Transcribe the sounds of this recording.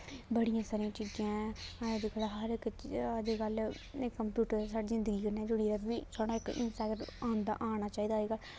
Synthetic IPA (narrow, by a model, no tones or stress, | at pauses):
bəɽijãːsaːɾijãːt͡ʃid͡ʒãːd͡ʒkʰəlaɦəɾɪkːd͡ʒeɡəl | ekːəmpjuːʈəɾsaːɽiːzɪnd̪əɡiːkəɾneɛːd͡ʒʊɽiːɾəbʋiːsʰoːɽãːɪkɪ̰nsʈaːɡɖaːnd̪a̰ːʔaːɽ̃aːt͡ʃaːiːd̪aːeːɡaː